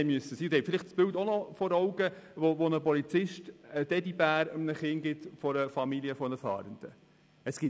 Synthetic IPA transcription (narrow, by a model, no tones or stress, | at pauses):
ɛmyəsəsiːhɛfɪlɪχtsb̥ɪltɔnɔfɔɾɔʊɡəʋoʋonəpɔlit͡sɪʃtəd̥ɛdibæːɾəmnəχɪŋɡɪt̪fɔɾəfɑmiliəfɔnəfɑ̰ːɾənd̥̪ə | əsɡ̥ɪ